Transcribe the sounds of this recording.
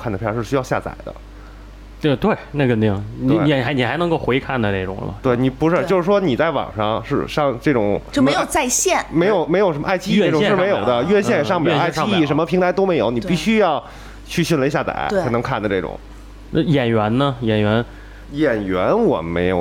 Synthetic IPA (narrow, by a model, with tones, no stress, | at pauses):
kʰnə˩˧˥ʂ̩ɻ̩˥˩ɕy˥jɑ˥˧ʊɕja̰˥˩t͡sa̰˨˩ɪd̪ə̰˦ | t̪t̪we˥˩ɪna˥˩kə˥˩nt̪i˧˥˩ŋ˨˥˩i˨˩a˧˥ni˨˩xa˧˥ɪnɤ˧˥ŋko˥˩ʊxwe˧˥ɪkʰa˥˩nd̪ə˩ne˥˩ʈ͡ʂʊ̰˨˩ŋlə̰˦t̪we˥˩ɪni˨˩pu˧˥ʂɻ̩o˥˩t͡ɕo˥˧ʂɻ̩˥˩ʂwɔ˥ni˨˩t͡sa˥˩ɪwɑ̰˨˩ŋʂɑ˥˧ŋʂɻ̩˥˩˧ʂɑ˥˧ŋʈ͡ʂɤ˥˩ʈ͡ʂʊ̰˨˩˦ŋʂə˥˧˩me˥jt͡sa˥˧ɪɕjɛ˥˩nme˧˥o˨˩ʊme˧˥ɪjo˨˩ʊʂə˧˥m˧a˥˩ɪt͡ɕʰi˥˧˥ʈ͡ʂʊ˨˥˧ʂ̩˥˧me˧˥ɪjo˨˧˩d̪ə˦ɥɛ˥˧ɕjɛ˥˩n˨˩ʂɑ˥˧ŋm˨˧˥a˥˩ɪ˥i˥i˥˩ʂə˧˥nmə˧pʰi˧˥ŋt̪ʰa˧˥t̪o˥ʊme˧˥ɪjo˨˩˦ʊni˨˩pi˥˩ɕy˥jɑ˥˧ʊ | t͡ɕʰy˥˧ɕnlə˧˥ɕja˥˩t͡sa̰˨˩˥ɪa˥nɤ˧˥ŋkʰa˥˩nd̪ə˩ʈ͡ʂɤ˥˩ʈ͡ʂʊ̰˨˩˦ŋ˧ | jɛ˨˩nɥɛ˧˥nnə˧jɛ˨˩nɥɛ˧˥n | jɛ˨˩nɥɛ˧˥nwɔ̰˨˩me˧˥ɪjo̰˨˩